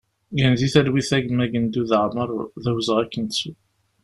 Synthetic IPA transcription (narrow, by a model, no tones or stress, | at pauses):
ɡænðiθælwiθæʝəmæʝənd̪uðəʕməɾˤðæwzəʁækːənt͡sːu